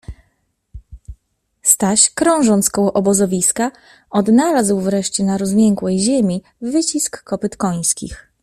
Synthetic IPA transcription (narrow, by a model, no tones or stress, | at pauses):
st̪aɕkɾɔ̃w̃ʐɔnt̪skɔwɔʔɔbɔzɔvʲiska | ɔd̪nalazwvɾɛʂt͡ɕɛnaɾɔzmʲjɛŋkwɛjʑemʲiː | ɘt͡ɕiskːɔpɘt̪kɔj̃skʲḭx